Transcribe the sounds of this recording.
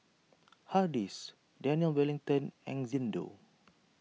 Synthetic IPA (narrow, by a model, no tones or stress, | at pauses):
hadis | dɛniəlwɛlĩŋt̪ə̃nɛ̃ŋzĩndo̰